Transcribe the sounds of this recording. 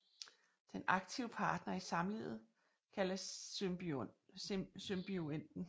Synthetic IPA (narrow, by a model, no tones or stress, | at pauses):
d̥enɑ̈ɡ̥̚t͡sʰiʊəpʰɑ̈ːd̥nɐisɑ̈mlḭð̩ˠ | kʰæləs | symb̥ioen̰d̥n̩